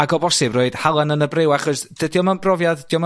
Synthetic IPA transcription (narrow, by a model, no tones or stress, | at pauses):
aɡɔbɔsɪbroɨd̥halˠanənəbrewaχɔsd̥ədjɔmanb̥rɔvjaðd̥jɔm